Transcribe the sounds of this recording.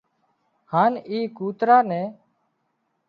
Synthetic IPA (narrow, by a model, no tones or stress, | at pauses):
haːniːkuːt̪ɾaːnɛ̃ː